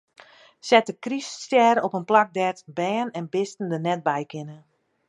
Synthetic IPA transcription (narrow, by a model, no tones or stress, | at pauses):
sɛtəkrisːtjɛːɾɔpənplak̚dɛrtbɛːənɛnbɪstən̩dənɛt̚bɛjkɪnə